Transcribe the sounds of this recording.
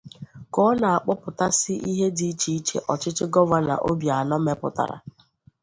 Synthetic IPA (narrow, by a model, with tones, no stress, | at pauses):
kɔ˦na˨a˨k͡pɔ˦pʊ˨ta˦sɪ˦ʔi˦ɦe˦di˨˦t͡ʃi˦i˦t͡ʃḛ˨ʔɔ˨t͡ʃɪ˦t͡ʃɪ˦ɡɔ˦va˦na̰˨ʔo˦bja˨nɔ˦me˦pʊ̰˨ta̰˨ɾa̰˨